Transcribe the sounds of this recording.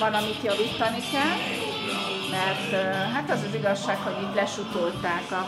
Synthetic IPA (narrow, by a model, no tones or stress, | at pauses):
vɒnɒmit̪jɒviːt̪ːɒnikɛl | mɛrt̪ɦat̪ɒzɒziɡɒʃːaːkho̞ɟiːt̪lɛʃut̪olt̪aːkɒ